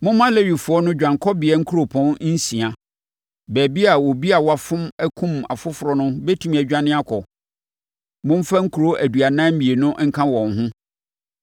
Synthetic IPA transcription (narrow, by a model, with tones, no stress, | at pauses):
mʊ̃˦mã˦le˦ɾi˨fʊ˨ɔ˦nʊ̃˦d͡ʑᶣã˨ŋkʰɔ˦bɪ˨ɛ˦ŋ̩˦kʰu˦ɾo˨pʰɔ̃˦n˦n̩˦sĩ˨a˨ | bæː˨bi˦a˨wɔ˨bi˦a˨wa˨fʊ̃˦mæ˦kʰũ˦ma̰˨fʊ˦fʊ˨ɾɔ˨nʊ̃˦bɛ˦tʰũ˨mæ˨d͡ʑᶣã˦nɪ̃˦a˦kʰɔ˨ | mʊ̃˦m̩˦fa˦ŋ̩˦kʰu˨ɾo˦ʔæ˨du˨a˨nã˦m̩˦mi˨e˨nʊ̃˦ŋ̩˦kʰã˦wɔ̃˨n˨ɦʊ̃˦